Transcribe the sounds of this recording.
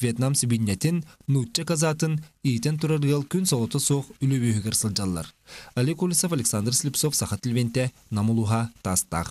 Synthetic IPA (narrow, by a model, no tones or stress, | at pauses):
vʲjet̪namsbʲinʲːet̪inːut͡ʃːakazaːt̪ɯniːt̪ent̪uɾaɾɡɯlˠkynsolˠot̪osoqylʲøβyɦykɯɾsɯlˠd͡ʒɑlˠːɑ̰ɾɐlʲikulʲisofalʲeksand̪rsʲlʲipsofsɑχat̪ilʲβent̪e | namulˠuɦɑt̪ast̪a̰q